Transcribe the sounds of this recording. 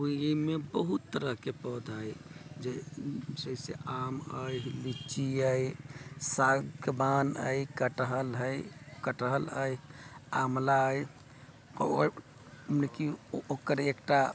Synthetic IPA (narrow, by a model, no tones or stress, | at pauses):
umebəɦut̪ːəɾəɦkepəd̪ʱajd͡ʒed͡ʒəisḛʔaməjlit͡ʃiə | saɡbanə̰jkəʈəɦəlɦəjkəʈəɦələjamlaəj | mnekiokəɾekʈa